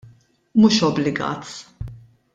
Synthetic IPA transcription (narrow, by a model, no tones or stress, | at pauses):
muːʃɔblɪɡɐ̰ːt̪